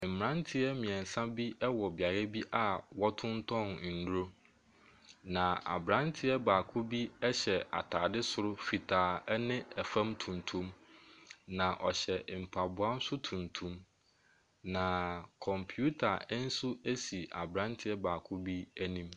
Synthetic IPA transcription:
m̩˨m˨ã˦ntʰɪ˦ɛ˦mĩ˨ɛ̃˨n˨sã˦bi˦ɛ˦wɔ˨bɪ˨a˨ɾɛ˦bi˦ʔa˨wɔ˦tʰʊ̃˦n˦tʰɔ̃˦n˨n̩˨du˦ɾo˦ | nã˨a̰˨bɾã˦ntʰɪ˦ɛ˦baː˨kʰʊ˦bi˦ɛ˦ɕɛ˨ʔa̰˨tʰaː˨dɪ˦sʊ˨ɾʊ˦fi˨tʰaː˨ɛ˦nɪ̃˦ɛ˨fã˦mtʰũ˨ntʰũ˦m | nã˨ʔɔ˨ɕɛ˨m̩˨pʰa˨bʊ˨a˦n̩˦sʊ˦tʰũ˨ntʰũ˦m | nã˨kʰɔ̃˨mpʰju˦tʰa˨˦n̩˦su˦e˦si˨ʔa̰˨bɾã˦ntʰɪ˦ɛ˦baː˨kʰʊ˦bi˦æ˦nĩ˨m

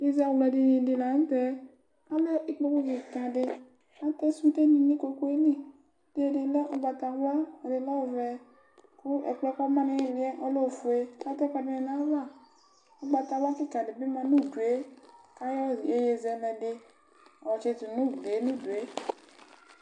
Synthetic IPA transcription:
i˦za˦˧lɛ˧di˧nĩ˧˨dɪ˧la˨n̩˦tɛ˧ | a˦lɛ˦i˦k͡po˧ku˦ɡi˨kã˨dɪ˧ | a˦tɛ˦su˦te˦˨nĩ˨nĩ˦ko˧ko˦e˦nĩ˦˨ | d̥e˨˦e˦˧de˧lɛ˦ʔo˧ɡ͡ba˧ta˧wa˦˨de˨lɔ˦˨vɛ˨˧ | kʊ˦ʔɛ̰˨k͡pɛ˦ka˦mã˦nĩ˧je˦˨ɾi˨˦ɛ˦ʔɔ˦lo˦˨fu˨e˧ka˦tɔ˦ka˧de˧ne˧nã˨˦va˦˨ | o˦ɡ͡ba˧ta˧wa˦ki˦˨kã˨dɪ˨bi˦mã˧nu˦˨du˨e˨˦ka˦jɔ˦˨je˦je˧zɛ˨nɛ˨dɪ˧˨ | ɔ˨t͡ʃe˧tu˨nũ˦˨be˨˦nũ˦˨du˨e˦

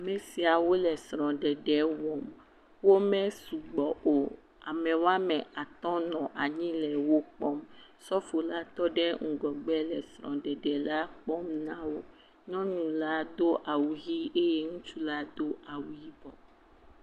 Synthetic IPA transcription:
a˨mɛ˨si˨a˨wo˦lɛ˨sɾɔ̃˨ɖɛ˨ɖɛ˦wɔ˨m | wo˦mɛ̃˦su˨ɡ͡bɔ˨ʔo˨ | a˨mɛ̃˨wa˦mɛ̃˨ʔa˨t̪ɔ̃˦nɔ̃˨ʔa˨ɲĩ˦lɛ˨wo˦k͡pɔ˦msɔ˦fo˨la˦t̪ɔ˦ɖɛ˦ŋ̩˨ɡɔ˨ɡ͡bɛ˦lɛ˨sɾɔ̰̃˨ɖɛ˨ɖɛ˨la˦k͡pɔ˦mnã˦wo˦ | ɲɔ̃˦ɲũ˨la˦d̪o˦ʔa˨wu˨ɣi˦e˦je˦ŋũ˦t͡ʃu˦la˦d̪o˦ʔa˨wu˨ji˦vɔ˨

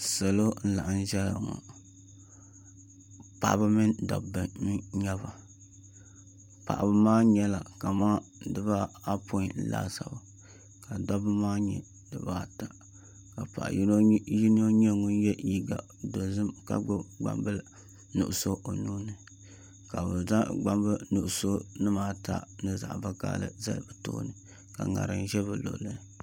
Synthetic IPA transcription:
sa˨lo˦n̩˦la˨ʔa˨n˦ʒɛ˦la̰˨ŋɔ̰˨ | pa̰˨ʔbɨ˦mɨ˦ndɔ̰˨bɨ˨n˦ɲɛ˦βa˨ | pa̰˨ʔbɨ˦maː˦ɲɛ˦la˨ka˨maː˦dɨ˦ba˦a˦pʰo˦˨n̩˦la̰ː˦sa̰˨ba˨ | ka˨dɔ˦bɨ˦maː˦ɲɛ˨ | dɨ̰˨baː˦ta˨ | ka˨pa̰˨ʔji˦n˦o˦ɲɛ˦ŋʊ˦n˦jɛ˦ji˨ɡa˨ | do˨zɨ˦mka̰˦ɡ͡bɨ˦ɡ͡ba̰˨mbɨ˦ | nṵ˨ʔʊ˨so˦o˨nuː˦nɨ˨ | ka˨bɨ˨za˦ɡ͡ba˦mbɨ˦nu˨ʔʊ˨so˦nɨ˦maː˦ta̰˦nɨ˦za̰˨ʔva˦ka̰ː˦lɨ̰˨za̰˦lbɨ˨to̰ː˦nɨ˨ | ka̰˨ŋa̰˨ɾɨ˨n˦ʒɛ˦βɨ˨lo̰˨lɨ˦˨

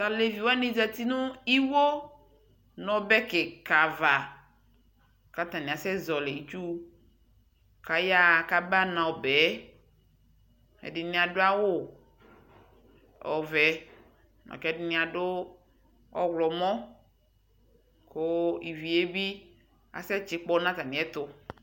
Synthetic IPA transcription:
ta˨le˨vi˨wa˦nĩ˦za˨t̪i˦nʊ̃˦i˦wo˦ | nɔ̃˨bɛ˦kɪ˨ka˨va˨ | ka˦t̪ã˨nĩ˨a˨sɛ˦zɔ˨le˨i˨t͡ʃu˦ | ka˨ja˦ka˦ba˦nã˨o˨bɛ˨˦ | ɛ̰˨dɪ˨nĩ˨a˨do˦a˦wʊ˦ | ɔ̰˨vɛ˨ | nɔ̰̃˨kɛ˦dɪ˦nĩ˨˦a˨dʊ˦ | ɔ̰˦wlɔ˨mɔ̃˦ | ko˦i˨vi˨e˦bi˦ | a̰˨sɛ˦t͡ʃɪ˦k͡pɔ˦nã˦t̪ã˨nĩ˨ɛ˦t̪ʊ˦

